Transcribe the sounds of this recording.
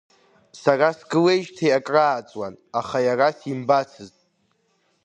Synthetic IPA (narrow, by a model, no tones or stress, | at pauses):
sarasɡɨle̞jʒtʰejakʼraːt͡sʼwanaχajarasimbat͡sʰɨztʼ